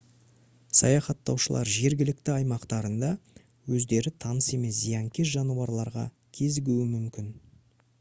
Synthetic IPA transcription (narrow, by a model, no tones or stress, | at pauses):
sɑ̰jɑχɑt̪ːɑ̰wʃəlˠɑ̰ɾʒe̞ɾɡʲɪlɪkt̪ɪɑjmɑqt̪ɑɾənd̪ɑ | wɵzd̪e̞ɾɪt̪ʰɑnəse̞me̞s̬zijɑŋkʲe̞sʒɑnuwɑɾlˠɑɾʁɑ̰ | kʲʰe̞zɪɡʲuwɪmʏmkʲɪn